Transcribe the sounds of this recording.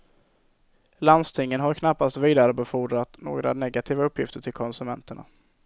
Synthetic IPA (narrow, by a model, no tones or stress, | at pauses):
land̪st̪ʰɪŋːənɦaɾkʰnapːast̪viːd̪aɾəbɛfuːɖɾat̪no̰ːɡɾa̰nɛɡat̪ʰiːvaɵpːjɪft̪əʈʰɪlkʰɔnsɵmɛnt̪əɳa̰